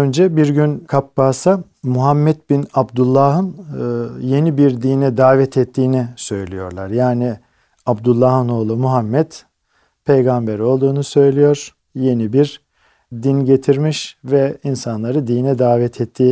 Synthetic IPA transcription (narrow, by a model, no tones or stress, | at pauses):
ønd͡ʒɛbiɾɟynkʰapːaːsa | muɦamːɛt̪̚binabd̪ulˠːaɦɯn | je̞nibiɾd̪iːnɛd̪aːvɛt̪ʰɛt̪ʰːiːnisø̞jlʲijo̞̰ɾlˠaɾjaːni | abd̪ulˠːahɯno̞lˠumuɦamːɛt̪ | pʰejɡambeɾo̞lˠd̪uːnusø̞jlʲijo̞ɾ̥ | je̞nibiɾ | d̪inɟe̞t̪ʰiɾmiʃvɛinsanlˠaɾɯd̪iːnɛd̪aːvɛt̪ʰɛt̪ʰːiː